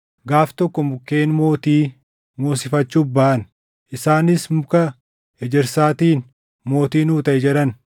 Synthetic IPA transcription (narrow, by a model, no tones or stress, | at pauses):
ɡaːft̪ɔkːɔmʊkːe̞ːnmo̞ːt̪iː | moːsɪfɐt͡ʃːubaːʔɐn | ʔɪsaːnɪsmʊkɐ | ɛd͡ʒɛɾsaːt̪iːn | mo̞ːt̪iːnuːt̪ɐʔɛd͡ʒɛᶑɐn